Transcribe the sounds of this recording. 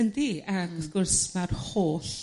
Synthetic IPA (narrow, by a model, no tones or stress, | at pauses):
əndiakɔfɡʊrsmarhoːɬ